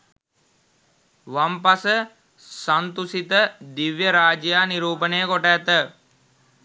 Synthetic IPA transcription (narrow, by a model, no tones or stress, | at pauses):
ʋampasə | sant̪usit̪əd̪iʋjəɾaːd͡ʒjaːniɾuːpənejəkoʈæːt̪ə